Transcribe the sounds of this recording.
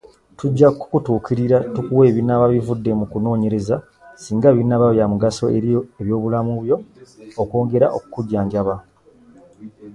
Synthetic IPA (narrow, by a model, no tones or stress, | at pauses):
tuɟːakːu̥kutuːkiɾiɾatukuwe̞ːβinaβaβivudːe̞mukuno̞ːɲe̞ɾe̞za | siːŋɡaβinːaβaβjamuɡaso̞eβjo̞ːβulamuβjo̞ːko̞ːŋɡe̞ɾa̰ʔokukuɟːaːɲɟaβa